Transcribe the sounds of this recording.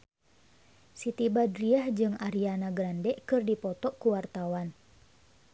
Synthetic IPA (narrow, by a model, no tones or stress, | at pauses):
sit̪ibadɾiahd͡ʒɨŋʔaɾianaɡɾandɛʔkɨrdipɔt̪ɔʔkuwart̪awan